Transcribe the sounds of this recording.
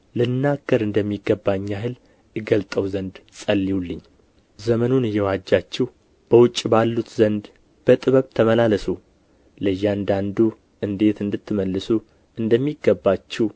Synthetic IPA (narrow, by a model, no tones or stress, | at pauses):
lɨnːaɡːəɾɨnd̪əmːiɡəbːaɲːaɦɨl | ɨɡəlt̪ʼəwzənd̪sʼəlːiulːɨɲː | zəmənunɨjːɛwad͡ʒːat͡ʃːɛw | b̥əwʊt͡ʃʼːbalːut̪zənd̪ | b̥ət̪ʼɨβəβt̪ʰəməlaləsu | ləjːand̪and̪u | ɨnd̪e̞t̪ɨnd̪ɨt̪ːɨməlːɨsu | ɨnd̪əmːiɡːəbːat͡ʃːɛw